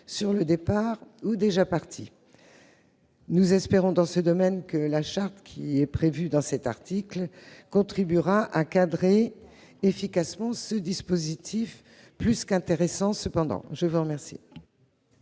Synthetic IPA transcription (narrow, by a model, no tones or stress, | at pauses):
syʁləd̪epaʁud̪eʒapaʁt̪ʰi | nuzɛspeʁɔ̃d̪ɑ̃səd̪ɔmɛnkəlaʃaʁt̪kʲʰiɛpχevyd̪ɑ̃sɛt̪a̰ʁt̪iklkɔ̃t̪χibyʁaʔakad̪ʁe | efikasmɑ̃səd̪ispozit̪ʰif | plyskɛ̃t̪eʁesɑ̃səpɑ̃d̪ɑ̰̃ʒəvuʁəmɛʁsḭ